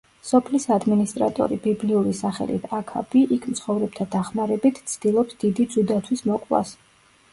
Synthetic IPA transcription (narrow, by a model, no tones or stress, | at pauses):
sɔpʰlisad̪minist̪ʼɾat̪ʼɔ̰ɾibibliuɾisaχɛ̰lḭt̪ʰakʰa̰b̥iʔikʰmt̪sʰχɔvɾɛb̚t̪ʰad̪aχmaɾɛbit̪ʰt̪sʰd̪̥ilˠɔpsd̪̥id̪id̪zud̪at̪ʰwismɔkʼva̰s